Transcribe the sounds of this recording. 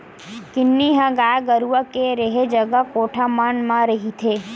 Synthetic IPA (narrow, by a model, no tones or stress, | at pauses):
kɪnːiɦãɡaːjɡəɾuʋakeɾeɦed͡ʒəɡakoːʈʰamanmãɾəɦit̪ʰe